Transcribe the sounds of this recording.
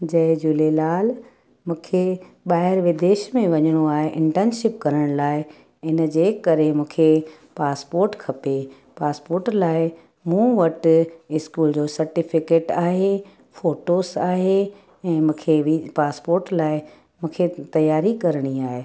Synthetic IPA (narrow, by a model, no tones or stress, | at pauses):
d͡ʑɐɪd͡ʑʊlelaːl | mũːkʰe | ɓaːɦɪɾʋɪd̪eːʃmẽʋɐɲəɽ̃oaːɦeʔɪ̃ɳʈɛ̃nʃɪp̚kɐɾəɽ̃laːɪ | ɪnəd͡ʑeːkɐɾemũːkʰe | paːspoːɾʈkʰɐpe | paːspoːɾʈlaːɪ | mũʋɐʈɪskuːld͡ʑoːsɐɾʈɪfɪkeːʈaːɦe | foːʈosaːɦe | ɛ̃ːmũːkʰeʋipaːspoːɾʈlaːɪ | mũːkʰet̪ɐjaːɾikɐɾɽ̃iaːɦeː